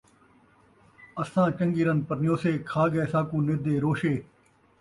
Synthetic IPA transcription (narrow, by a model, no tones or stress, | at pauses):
əsãːt͡ʃə̃ŋɡiːɾənpəɾnɪjoːseːkʰaːɡɛːsãːkũːnɪd̪eːɾoːʃeː